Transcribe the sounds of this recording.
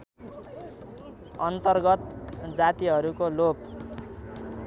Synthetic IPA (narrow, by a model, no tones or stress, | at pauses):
ʌnt̪ʌrɡʌt̪d͡zat̪iɦʌɾukolop